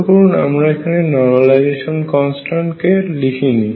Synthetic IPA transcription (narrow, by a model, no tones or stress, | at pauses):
pɔɹnamɹajkʰanɛnɔɹmalajzesɔnkɔnsʈaɳʈkelikʰini